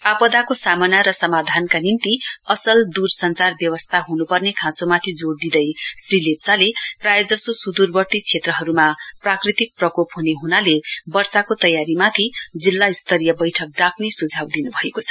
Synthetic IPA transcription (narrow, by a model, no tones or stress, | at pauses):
apʌd̪akosamʌnaɾʌsʌmad̪ʱankanint̪iʌsʌld̪ursʌnt͡sarbjʌwʌst̪ʰaɦunupʌrnekʰãsomat̪ʰid͡zoɽd̪id̪ʌjsrilet̚t͡saleprajʌd͡zʌsosud̪urbʌt̪it͡sʰet̪rʌɦʌɾumaprakrit̪ik̚prʌkopɦuneɦunalebʌrsakot̪ʌjaɾimat̪ʰid͡zilːaist̪ʌɾijʌbʌjʈʰʌk̚d̪akʰnesud͡zʱawd̪inubʱʌekot͡sʰʌ